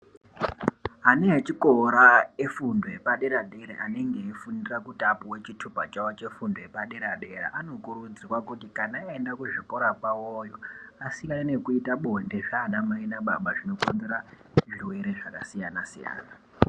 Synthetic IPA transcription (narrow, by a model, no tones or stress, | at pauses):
ɦaneɦet͡ʃikoɾaefundʱoepaɗeɾaɗeɾḛʔaneŋɡeefundirakutʼapuwe̞t͡ʃitʰupat͡ʃawot͡ʃe̞fundojepaɗeɾaɗeɾa̰ʔano̞kurud͡ziwakutikanaaendakuʐipoɾapawojoasiɾainekuitaɓuɦendeʐanamainaɓa̰ɓaʐino̞konzeɾa | ʐiwe̞ɾeʐaka̰sijanasḭja̰ːna